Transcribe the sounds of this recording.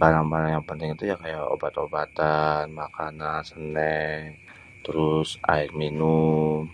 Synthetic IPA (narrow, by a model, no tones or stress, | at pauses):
baɾaŋbaɾaŋjaŋpənt̪ɪŋit̪ujakajao̰bat̪obat̪anmakanansənɛŋ | t̪əɾʊsa̰ɪk̚minum